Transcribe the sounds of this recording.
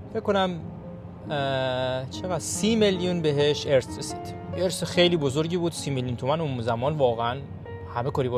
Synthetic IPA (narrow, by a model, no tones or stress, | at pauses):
fekkːo̞næm | t͡ʃʰe̞ɣæd̪̥siːmeljunbeɦeʃeɾsɾesiːd̪̥jeeɾsexejliːbozoɾɟiːbuːd̪siːmeljunt̪ʰumænozæmɒːnvɒːɣeæn | hæmekɒːɾiːbɒ